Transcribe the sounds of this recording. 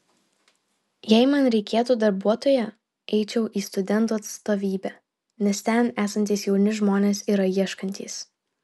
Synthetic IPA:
jɛɪmɐnɾʲɛɪkʲeːt̪uːd̪ɐɾbuɔt̪oːjɛ | ɛɪt͡ʃʲɛʊʔiːst̪ʊd̪ʲɛnˑt̪uːɐt̪st̪oːʋʲiːbʲæ | nʲɛst̪ʲɛnæːsɐnʲt̪ʲiːsjɛʊnʲɪʒmoːnʲeːsiːɾɐiɛʃkɐnʲt̪ʲḭːs

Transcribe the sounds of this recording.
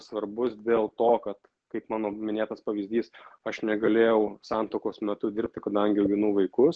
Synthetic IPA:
sʋɐrbʊsd̪ʲeːlˠt̪oːkɐt̪ | kɐɪpmɑːnoːmʲɪnʲeːt̪ɐspɐʋʲizʲd̪ʲiːsɐʃnʲɛɡɐlʲeːjɛʊsɑnt̪oːkoːsmʲɛt̪ʊdʲɪɾʲp̚ʲt̪ʲɪkɐd̪ɐŋʲɡʲɪɛʊɡʲɪnʊʋɐɪkʊs

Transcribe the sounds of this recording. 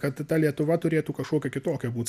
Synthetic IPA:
kɐt̪t̪ɐlʲiɛt̪ʊʋɐt̪ʊɾʲeːt̪uːkɐʃkoːkʲɛkʲɪt̪oːkʲɛbuːt̪ʲs

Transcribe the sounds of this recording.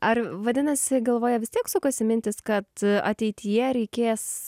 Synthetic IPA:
ɐrʋɐd̪ʲɪnɐsʲɪɡɐlˠʋoːjɛʋʲɪsʲt̪ʲiɛksʊkosʲɪmʲɪnʲt̪ʲɪskɐt̪ɐ̰t̪ʲɛɪt̪ʲʰijɛɾʲɛɪkʲeːs

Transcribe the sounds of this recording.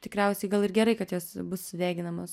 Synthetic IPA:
t̪ʲɪkɾʲɛʊsʲɛɪɡɐlˠɪrɡʲɛɾɐɪkɐt̪joːsbʊsːʊd̪ʲeːɡʲɪnɐmoːs

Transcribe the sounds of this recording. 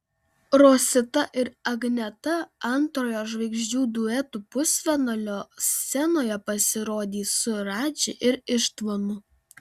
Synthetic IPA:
ɾoːsʲɪt̪ɐʔɪɾɐɡnʲɛt̪ɐɐnˑt̪ɾoːjoːʒʋɐɪɡʒʲd͡ʒʲuːd̪ʊɛt̪upʊsʲʋʲɛnɐlʲoːsːʲɛnoːjɛpɐsʲɪɾoːd̪ʲiːsʊɾɑːd͡ʒʲɪʔɪɾɪʃt̪ʋonʊ

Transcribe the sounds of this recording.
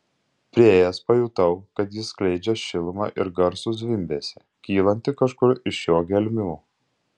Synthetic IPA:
pʲɾʲɪeːjɛspɐjuːt̪ɐʊkɐt̪jɪsklʲɛɪd͡ʒʲɛʃʲɪlˠmɑ̰ːʔɪɾɡɐɾsʊzʲʋʲɪmʲbʲeːsʲɛ | kʲiːlˠɐnʲt̪ʲɪkɐʃkʊɾɪʃjoːɡʲɛlʲmʲuː

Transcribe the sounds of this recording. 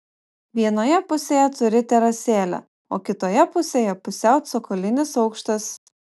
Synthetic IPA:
ʋʲiɛnoːjɛpʊsʲeːjɛt̪ʊɾʲɪt̪ʲɛɾɐsʲeːlʲɛ̰ | oːkʲɪt̪oːjɛpʊsʲeːjɛpʊsʲæˑʊt̪sokɔlʲɪnʲɪsɒʊkʃt̪ɐs

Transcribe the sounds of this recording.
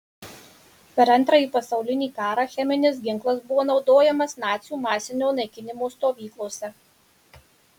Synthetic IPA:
pʲɛɾɐnt̪ɾɐjiːpɐsɒʊlʲɪnʲiːkɑːɾɑːxʲɛmʲɪnʲɪsɡʲɪŋˑklˠɐsbʊʋoːnɒʊd̪oːjɛmɐsnɑːt̪sʲjuːmɑːsʲɪnʲoːnɐɪkʲɪnʲɪmoːst̪oːʋʲiːklˠoːsʲɛ

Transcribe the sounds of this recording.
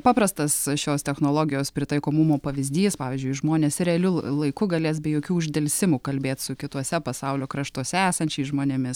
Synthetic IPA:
pɑːpɾɐst̪ɐsʃʲoːst̪ʲɛxnoːlˠoːɡʲɪjoːspʲɾʲɪt̪ɐɪkoːmʊmoːpɐʋʲɪzʲd̪ʲiːspɑːʋʲiːzʲd͡ʒʲʊɪʒmoːnʲeːsɾʲɛɐlʲʊlˠɐɪkʊɡɐlʲeːs̬bʲɛjoːkʲuːʊʒʲd̪ʲɛlʲsʲɪmʊkɐlʲbʲeːt̪sʊkʲɪt̪uɔsʲɛpɐsɐʊlʲoːkɾɐʃt̪uɔsʲɛæːsɐnʲt͡ʃʲɛɪsʒmoːnʲemʲɪs

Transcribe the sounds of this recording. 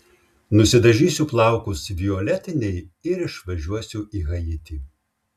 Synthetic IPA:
nʊsʲɪd̪ɐʒʲiːsʲuplˠɑˑʊkʊsʋʲioːlʲɛt̪ʲɪnʲɛɪɪɾɪʃʋɐʒʲuɔsʲʊʔiːɣɐjɪt̪ʲiː

